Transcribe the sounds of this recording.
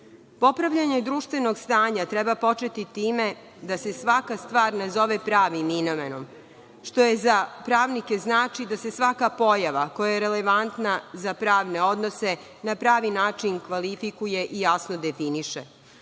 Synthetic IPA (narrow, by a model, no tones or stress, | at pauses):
po̞pɾaʋʎaɲe̞d̪ɾuːʃt̪ʋe̞no̞ɡst̪aːɲat̪ɾɛbapo̞t͡ʃe̞t̪it̪iːme̞ | d̪ase̞sʋakast̪ʋaːɾnazo̞ʋepɾaːʋimːino̞meno̞m | ʃt̪o̞jezapɾaːʋnike̞znaːt͡ʃid̪ase̞sʋakapo̞jaʋako̞jajeɾeleʋant̪nazapɾaːʋne̞o̞d̪nose̞ | napɾaːʋinaːt͡ʃinkʋalifikuje̞ʔijasnod̪efiniʃḛ